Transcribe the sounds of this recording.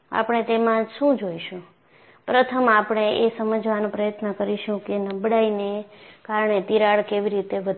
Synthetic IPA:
a̰pɳ̃et̪emãʃũd͡ʒoiʃũ | pɾət̪ʰəmapɳ̃eʔesəməd͡ʒʱʋanõpɾəjət̪nəkəɾiʃũkenəbɽainekaɾɳet̪iɾaɭkeʋiɾit̪eʋəd̪

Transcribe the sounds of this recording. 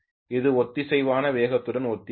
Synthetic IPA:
ɪðɯɔt̪ːɪsɛjʋaːnɐʋeːɣɐt̪ːɯɽɐnɔt̪ːɪ

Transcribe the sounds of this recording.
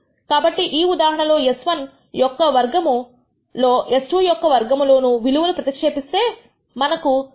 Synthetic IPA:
kaːbɐʈːiʔiːud̪aːɦɐɳɐlo̞ːesʋɐn | jɔkːɐʋɐɾɡɐmu | lo̞ːʔesʈujɔkːɐʋɐɾɡɐmlo̞ːnuʋiluʋɐlupɾɐt̪ikʂeːpist̪e̞ː | mɐnɐku

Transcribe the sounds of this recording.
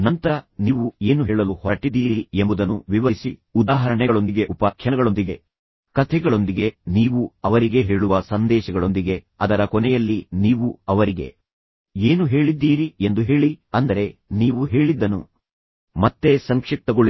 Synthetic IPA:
nɐnt̪ɐɾɐniːʋue̞ːnuɦeːɭɐluhɔɾɐʈid̪ːiːɾɾiembud̪ɐnuʋiʋɐɾisiud̪aːɦɐɾɐɳɛɡɐɭo̞nd̪iɡe̞ʔupɐkʰjɐnɐɡɐɭo̞nd̪iɡe̞ | kɐt̪ʰɛɡɐɭo̞nd̪iɡe̞niːʋuɐʋɐɾiɡe̞ɦe̞ːɭuʋɐsɐnd̪ɛːʃɐɡɐɭo̞nd̪iɡe̞ | ɐd̪ɐɾɐkɔnɛjɐlːiniːʋuɐʋɐɾiɡe̞̰ | e̞ːnuɦe̞ːɭid̪ːiːɾie̞nd̪uɦe̞ːɭiɐnd̪ɐɾe̞niːʋuɦe̞ːɭid̪ːɐnṵ | mɐt̪ːe̞sɐŋkʂik̚t̪ɐɡoɭi

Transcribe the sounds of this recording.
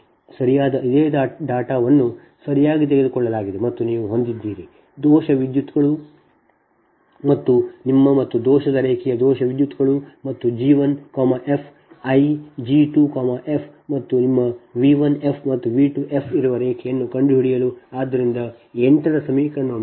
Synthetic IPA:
sɐɾijaːd̪ɐʔid̪eːd̪aɖaːʈaːʋɐnːu | sɐɾijaːɡit̪̬eɡed̪ukɔɭːɐlaːɡid̪emɐt̪ːuniːʋuɦo̞nd̪id̪ːiːɾi | d̪ɔːʃɐʋid̪jut̪ːɡɐɭu | mɐt̪ːunimːɐmɐt̪ːud̪ɔːʃɐd̪ɐɾeːkʰɛjɐd̪ɔːʃɐʋid̪jut̪ːɡɐɭumɐt̪ːud͡ʒiːʋɐnkaːmɐʔe̞pʰ | ɐjd͡ʒiːʈuːkaːmɐʔepʰmɐt̪ːunimːɐʋiːʋɐne̞pʰmɐt̪ːuʋiːʈuʔe̞pʰiɾuʋɐɾeːkʰɛjɐnːukɐɳɖuɦiɽijɐluaːd̪ːɐɾind̪ɐ | ɛɳʈɐɾɐsɐmiːkɐnːu

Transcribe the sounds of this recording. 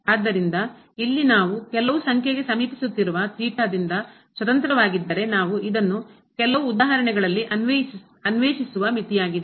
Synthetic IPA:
aːd̪ːɐɾind̪ɐ | ilːinaːʋukɛlɐʋusɐŋkʰjeɡe̞sɐmiːpisut̪ːiɾuʋɐt̪iːʈaːd̪ind̪ɐ | sʋɐt̪ɐnt̪ɐɾɐʋaːɡid̪ːɐɾe̞naːʋuid̪ɐnːu | kɛlɐʋuːd̪aːɦɐɾɐɳɛɡɐɭɐlːiʔɐnʋe | ɐnʋeːʃisuʋɐmit̪ijaːɡid̪e

